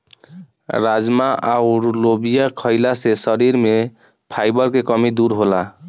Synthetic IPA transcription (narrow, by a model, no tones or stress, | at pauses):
ɾad͡ʒmaʔawɾlobijakʰɔjlasesʌɾiɾme | pʰajbɔɾkekɔmid̪uɾɦola